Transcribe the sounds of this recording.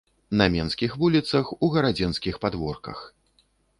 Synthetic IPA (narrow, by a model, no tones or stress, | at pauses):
nɐmʲɛnskʲixvulʲit̪sɐxuɣɐɾad͡zʲinskʲixpad̪vɔrkɐ̰x